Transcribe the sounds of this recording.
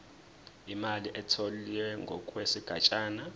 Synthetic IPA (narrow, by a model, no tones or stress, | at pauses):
imaliʔɛtʰoliwɛŋɡʱɔkʼwesiɡ̥ʱa̰t͡ʃʼaːna